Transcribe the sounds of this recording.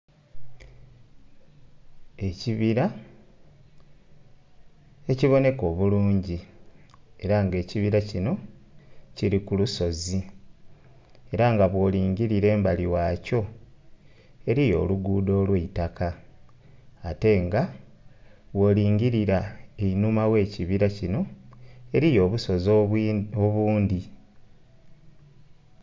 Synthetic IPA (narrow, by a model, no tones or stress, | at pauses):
e̞ciβiɾa | e̞ciβo̞ne̞ko̞ːβuluːɲɟi | e̞ɾaŋɡe̞ːciβiɾacino̞ | ciɾikuluso̞zi | e̞ɾaŋɡaβwo̞ːliːŋɟiɾiɾe̞ːmbaliwaːco̞ | e̞ɾijo̞̰ːluɡuːdo̞ːlweitaka | ate̞ŋɡa | βwo̞ːliːɲɡiɾiɾaeinumawe̞ːciβiɾacino̞e̞ɾijo̞ːβuso̞zooβuːndi